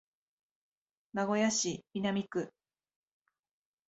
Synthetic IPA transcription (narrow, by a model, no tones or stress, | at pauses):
naɡo̞jaɕibʲinamʲikɯ̟